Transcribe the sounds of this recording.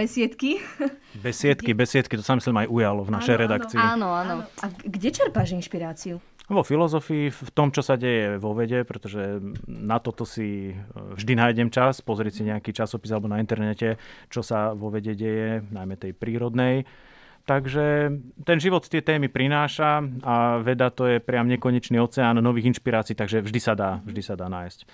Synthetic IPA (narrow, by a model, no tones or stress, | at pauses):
bɛsɪɛt̪kibɛsʋɪɛt̪kibɛsʋɪɛt̪kit̪ɔsamislimajʔujalɔvnaʃɛjɾɛd̪akt͡siinɔanɔaɡɟɛt͡ʃɛɾpaʒinʃpiɾaːt͡siu | ʋɔfilɔzɔfiːfft̪ɔmt͡ʃɔsaɟɛjɛʋɔʋɛɟɛpɾɛt̪ɔʒɛnat̪ɔt̪ɔsivʒd̪inajɟɛmt͡ʃaspɔzɾɪɛcsiɲɛakit͡ʃasɔpizalɛbɔnaint̪ɛɾnɛcɛt͡ʃɔsaʋɔʋɛɟɛɟɛjɛnajmɛt̪ɛjpɾiːɾɔd̪nɛj | t̪aɡʒɛt̪ɛnʒiʋɔt̪t̪ɪɛt̪ɛːmipɾinaːʃaaʋɛd̪at̪ɔjɛpɾɪamɲɛkɔɲɛt͡ʃniɔt͡sɛaːnːɔʋiːɣinʃpiɾaːt͡siiːt̪aɡʒɛvʒd̪isad̪aːvʒd̪isad̪aːnaːjsc